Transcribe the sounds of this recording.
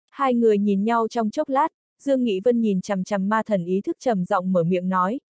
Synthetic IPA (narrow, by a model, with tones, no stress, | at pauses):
haː˧jŋɨ˨˩əjɲi˨˩nɲa˧wt͡ɕɔ˧wŋ͡mt͡ɕo˦˥t̚laː˦˥t̚ | z̥ɨ˧əŋːḭ˧˥və˧nɲi˨˩nt͡ɕa˨˩mt͡ɕa˨˩mːaː˧t̪ʰə˨˩nʔi˨˦t̪ʰɨ˦˥k̚t͡ɕə˨˩mzɔ̰˧˨wŋ͡mməː˧˩mḭ˧˨əmnɔ˨˦j